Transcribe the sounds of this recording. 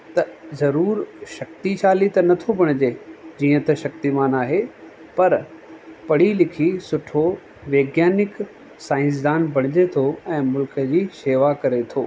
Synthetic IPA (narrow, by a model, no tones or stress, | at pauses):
t̪ɐzɐɾuːɾʃɐkt̪iʃaːlit̪ɐnɐt̪ʰobʱɐɽ̃ɪd͡ʑeːd͡ʑiːə̃t̪ɐʃɐk̚t̪imaːnaːɦe | pɐɾpɐɽ̤ilɪkʰisʊʈʰo | ʋeːɡjaːnɪk | sãːɪ̃ns̬d̪aːnbʱɐɽ̃ɪd͡ʑet̪ʰoɛ̃ːmʊlkəd͡ʑiːʃeːʋakɐɾet̪ʰoː